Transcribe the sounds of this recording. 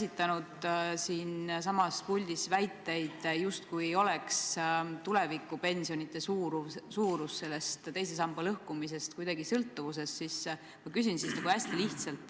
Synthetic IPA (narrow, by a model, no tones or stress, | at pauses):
sit̪ːˑɑnud̪̥siːns̬ɑmɑspulʲd̪̥isvæjt̪ˑːe̞jd̪̥just̪kujejo̞le̞kst̪ule̞vikːˑupe̞nsio̞nʲit̪ːˑe̞suːɾusuːɾusse̞lːe̞st̪t̪ːe̞jse̞sɑmb̥elɤhkumise̞st̪̚kujd̪ɑɡisɤlt̪ːuvuse̞sːis | mɑkys̬insisnɑɡuæsʲt̪iliht̪sɑlt̪ːˑ